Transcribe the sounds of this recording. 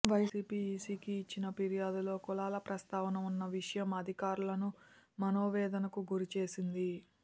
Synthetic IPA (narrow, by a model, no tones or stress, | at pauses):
ʋɐjsiːpiːsiːkiːt͡ʃːinɐpiɾijaːd̪ulo̞ːkɔlaːlɐpɾɐst̪aːʋɐnɐmunːɐʋiʂɐjɐmɐd̪ʱikaːɾulɐnumɐno̞ːʋɛːd̪ɐnɐkuɡuɾit͡ʃe̞ːsind̪i